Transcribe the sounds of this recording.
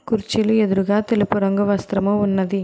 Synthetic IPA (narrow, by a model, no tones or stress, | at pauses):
kuɾt͡ʃilueðuɾuɡaːt̪elipuɾɐŋɡɐʋɐst̪ɾɐmɐunːɐði